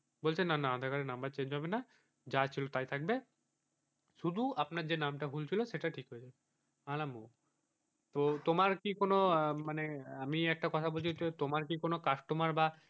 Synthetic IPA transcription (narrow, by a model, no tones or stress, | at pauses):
bolt͡ɕʰenːanaad̪ʱakaɾenambaɾt͡ɕeɲd͡ʑɦɔbena | d͡ʑat͡ɕʰilot̪ajt̪ʰak̚be | ʃud̪ʱuapnaɾd͡ʑenamʈaɦult͡ɕʰiloʃeʈaʈʰikɦoed͡ʑabe | alamo | t̪ot̪omaɾkikonomaneamiɛk̚ʈakɔt̪ʰabolt͡ɕʰit̪et̪omaɾk̬ikonokaʃʈomaɾba